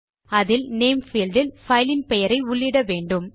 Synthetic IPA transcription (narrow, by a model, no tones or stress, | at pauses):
ɐðɪlneːmfiːlɖɪlfɐɪlɪnpɛjɐɾɐɪʊɭːɪɽɐʋeːɳɖɯm